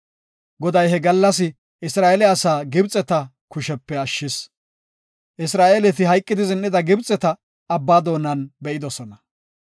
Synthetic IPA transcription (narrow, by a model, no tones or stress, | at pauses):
ɡɔd̪ɐjɦɛɡɐlːɐsɪ | ʔɪsɾaːjelɛɐsaːɡɪbt͡sʼɛt̪ɐ | kʊʃɛpːɛɐʃːɪs | ʔɪsɾaːelɛt̪ɪɦɐjkʼːɪd̪ɪzɪnːɪd̪ɐɡɪbt͡sʼːɛt̪ɐ | ɐbːaːd̪o̞ːnɐnbɛʔɪd̪ɔsɔnɐ